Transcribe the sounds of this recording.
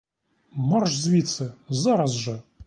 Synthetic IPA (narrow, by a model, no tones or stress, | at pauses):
marʂzvʲit̪sɨzaɾasʐɨ